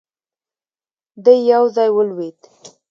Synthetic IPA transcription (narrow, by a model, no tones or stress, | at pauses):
d̪əjːawzɑjwəlwed̪